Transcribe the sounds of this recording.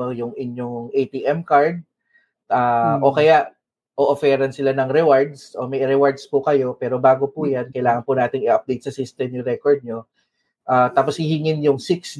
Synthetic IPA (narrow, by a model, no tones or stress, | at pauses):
jʊŋɪɲjoŋŋʔejt̪iʔɛmkaɹd̪̚ | aːʔokɐjaʔ | ʔoʔofɛːɾɐnsɪlanɐŋɾɛwaɹd̪sʔo̞mɐjɾɛwaɹd̪spʊkɐjo̞pɛːɾo̞baːɡopujankɐjlaːŋɐnpʊnaːt̪ɪŋɪʔɐp̚d̪ejt̪̚sɐsist̪ɛmjʊŋɾɛkoɹd̪̚ɲo̞ | ʔaːt̪aːposhɪhɪŋɪnjʊŋsɪks